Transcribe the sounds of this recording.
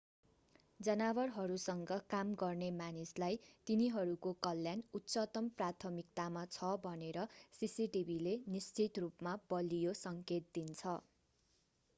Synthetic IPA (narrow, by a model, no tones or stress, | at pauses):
d͡zʌnabʌrɦʌɾusʌŋɡʌkamɡʌrnemanislajt̪iniɦʌɾukokʌlːjanut̪ːsʌt̪ʌmprat̪ʰʌmik̚t̪amat͡sʰʌbʱʌneɾʌsisiʈibʱilenist͡sit̪rupmabʌlijosʌŋket̪̚d̪int͡sʰʌ